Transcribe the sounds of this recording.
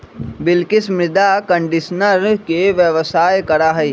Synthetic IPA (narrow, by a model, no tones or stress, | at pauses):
bɪlkɪsmɾɪd̪akə̃ɳɖɪʃnəɾkeʋjəʋsaːjkɐɾaɦɛ